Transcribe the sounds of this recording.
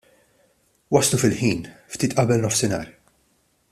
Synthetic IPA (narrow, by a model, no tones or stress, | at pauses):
wɐslufɪlħiːnft̪iːt̪ʔɐbɛlnɔfsɪnɐ̰ːɾ